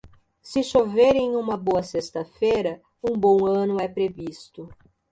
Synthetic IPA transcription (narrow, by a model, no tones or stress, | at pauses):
sɪʃoveɾẽj̃ũmɐboɐsest̪ɐfejɾɐ | ũbõw̃ɐ̃nʊɛpɾevist̪ʊ